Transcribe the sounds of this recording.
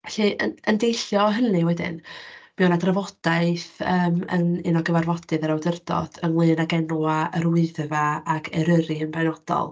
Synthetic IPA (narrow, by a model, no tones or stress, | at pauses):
ɛɬɨʔənəndejɬjɔɦənɨwɛdɪ̰nmɛwnadravɔd̥aɨθəːmə̰nɨnɔɡəvarvɔd̥ɨðəɾawdərdɔ̰ð̥ənlˠɨːnaɡɛnwaəɾwɨðvaaɡʰɛɾəɾiənbanɔd̥ɔ̰lˠ